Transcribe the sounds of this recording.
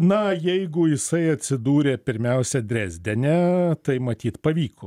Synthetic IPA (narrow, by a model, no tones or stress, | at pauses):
nɐjɛɪɡʊjɪsɐɪɐt̪ʲsʲɪd̪uːɾʲeːpʲɪɾʲmʲɛʊsʲɛd̪ʲɾʲæːzʲd̪ʲɛnʲɛt̪ɐɪmɐt̪ʲiːt̪pɐʋʲiːkʰo